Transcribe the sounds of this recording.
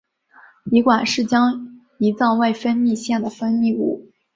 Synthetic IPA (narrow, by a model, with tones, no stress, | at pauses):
i˧˥kwa˨˩nʂɻ̩˥˩t͡ɕjɑ˥ŋ | i˧˥t͡sɑ˥˧ʊwa˥˩ɪfə˥nmi˥˧ɕjɛ˥˩nd̪ə˩fə˥nmi˥˧ṵ˥˩